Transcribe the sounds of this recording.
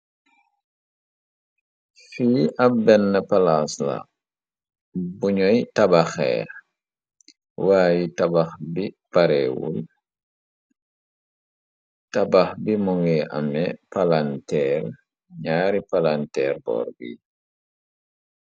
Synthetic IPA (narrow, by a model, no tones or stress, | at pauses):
fiːʔabɛnːəpalasla̰ | buɲɔjtabaxɛ̰ː | waːjitabaxbipaɾɛwṵl | tabaxbimɔŋɡɛʔa̰mɛpalantɛːɾ | ɲaːɾipalantɛːɾbɔ̰ːɾɡḭ